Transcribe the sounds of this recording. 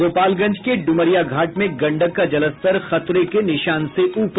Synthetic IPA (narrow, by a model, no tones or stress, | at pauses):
oːpaːlɡɐ̃ɲd͡ʒkeɖʊməɾijaɡʱaːʈmẽɡɐ̃ɳɖəkːad͡ʒɐləst̪əɾxɐt̪ɾekenɪʃaːnseʔuːp